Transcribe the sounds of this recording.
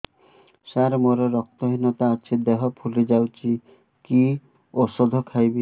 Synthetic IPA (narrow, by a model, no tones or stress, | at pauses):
saɾmoɾɔɾɔk̚t̪ɔɦinɔt̪aːt͡ʃʰid̪eɦɔpʰulid͡ʒawt͡ʃʰi | ki | ɔsɔd̪ʱɔkʰajbi